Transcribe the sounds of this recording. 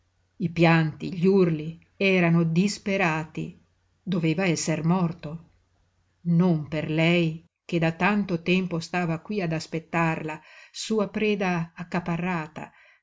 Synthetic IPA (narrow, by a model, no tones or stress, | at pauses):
ipjant̪ḭʎurli | ɛːɾanod̪ispeɾaːt̪ḭ | d̪oveːvaɛsːermɔrt̪o | nomperlɛj | k̟ed̪at̪ant̪ot̪ɛmpost̪aːvakwiad̪aspet̪ːarlasuːapɾɛːd̪aːkːaparːaːt̪a̰